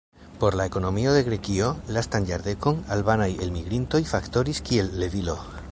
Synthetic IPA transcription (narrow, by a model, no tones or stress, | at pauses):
poɾlaekonomioðeɣɾekiolast̪anʝaɾðekoŋalβanajelmiɣɾint̪oifakt̪oɾiskielːeβilo